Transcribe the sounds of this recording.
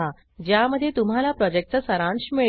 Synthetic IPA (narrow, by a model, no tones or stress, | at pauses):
a | d͡ʑjaməd̪ʱːjet̪um̤alapɾɔd͡ʑek̚ʈt͡səsəɾãɳɕmiɭ